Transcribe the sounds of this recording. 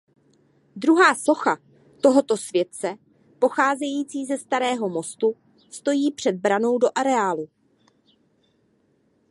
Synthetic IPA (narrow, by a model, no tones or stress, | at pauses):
d̪ɾuɦaːso̞xa | t̪o̞ɦo̞t̪o̞svjɛt̪̚t͡sɛ | po̞xaːzɛjiːt͡siːzɛst̪aɾɛːɦo̞mo̞st̪u | st̪o̞jiːpr̝̥ɛd̪̚bɾano̞wdo̞ʔaɾɛaːlu